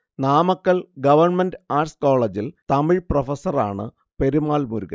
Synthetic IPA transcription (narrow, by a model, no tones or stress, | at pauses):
naːmɐkːɐɭɡɐʋɐrɳmɐndaːrskoːɭɐd͡ʑilt̪ɐmiprofɐsɐraːɳɨ | pe̞ɾumaːlmuɾuɣɐ̰